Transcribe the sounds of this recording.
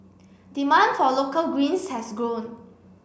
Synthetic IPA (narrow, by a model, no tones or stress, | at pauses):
d̥imãndfɔlokəlɡwĩnshɛsɡɹõn